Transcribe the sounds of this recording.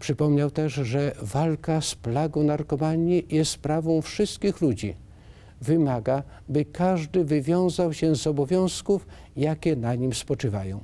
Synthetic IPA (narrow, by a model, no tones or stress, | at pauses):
pʂɘpɔmɲawt̪ɛʐʐɛvalkasplaɡɔ̃w̃naɾkɔmaɲijɛst̪spɾavɔ̃w̃fʂɘst̪kʲixlud͡ʑi | vɘmaɡa | bɘkaʐd̪ɘvɘvʲjɔ̃w̃zawɕɛzɔbɔvʲjɔ̃w̃skuf | jakʲɛnaɲimspɔt͡ʂɘvajɔ̃w̃